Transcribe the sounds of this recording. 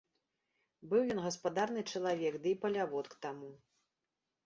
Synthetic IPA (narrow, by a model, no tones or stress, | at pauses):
bɨwjɔnɣɐspad̪arnɨt͡ʂɐlˠavʲɛkd̪ɨipɐlʲavɔt̪kt̪amu